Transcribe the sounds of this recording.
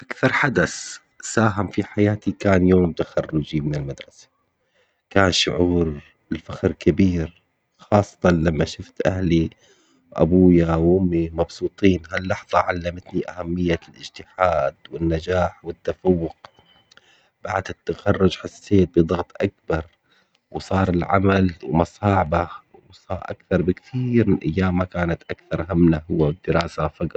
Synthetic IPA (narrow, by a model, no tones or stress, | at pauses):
ʔakθɑɾˤħad̪as | saːɦamfiħajaːt̪ikaːnjoːmt̪axɑrːʊd͡ʒimɪnɪlmad̪ɾˤɑsḁ | kaːnʃʊ̰ʕuːɾ | ɪlfaxɾkabiːɾ | xɑːsˤːɑ̥t̪ˤɑnlamːaʃʊft̪ʔahli | wʔa̰buːjawʔʊmːimɑbsˤuːt̪ˤiːnɦalːɑħðˤɑʕalːamat̪niʔa̰hamːɪjːalʔɪd͡ʒt̪ɪħaːd̪wɪnːad͡ʒaːħwɪt̪ːafawːʊq | b̥aʕd̪ɪt̪ːaxɑrˤːʊd͡ʒħasːeːt̪̚bɨd̪ˤɑɣt̪ˤʔak̚bɑɾˤ | wsˤɑːɾˤɪlʕa̰malwmɑsˤɑːʕbawsˤɑːɾˤʔa̰kθɑɾˤbɪkt̪ʰiːɾmɪnʔa̰jːaːmːakaːnat̪ʔakθɑɾˤɦamnaɦʊwːawɪd̪ːɪɾɑːsafaɡ